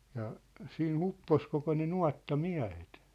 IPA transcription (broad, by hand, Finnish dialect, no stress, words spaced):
jɑ siːn upːos koko ne nuɑtːɑmiæ̝het